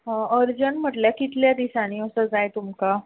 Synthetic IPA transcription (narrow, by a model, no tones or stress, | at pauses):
ɦəɾd͡ʑənm̤əʈljakit̪ljad̪isaɽ̃iəsəd͡zajt̪umka